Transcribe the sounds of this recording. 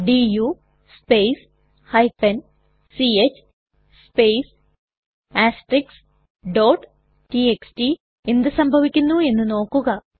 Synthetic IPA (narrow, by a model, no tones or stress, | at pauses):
ɖiju | spejs | hɐjfen | siet͡ɕː | speːs | aːsʈɾiks | ɖoːʈ | ʈieksʈi | e̞nd̪usɐmbʱɐʋikʲːunːue̞nːuno̞ːkːuɣɐ